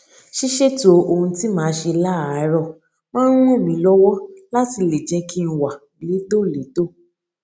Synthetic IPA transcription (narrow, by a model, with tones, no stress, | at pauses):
ʃi˦ʃe˦to˨o˧hũ˧ti˦mãː˨˦ʃe˧la˦˨˦ɾɔ˧˨ | mãː˦ɾũ˦e˦˨mĩ˧˦lɔ˦wɔ˦la˦ti˧˨le˨d͡ʒɛ˨˧kʰi˦˧n̩˧wa˨ | li˨˦do˦˨le˨˦do˦˨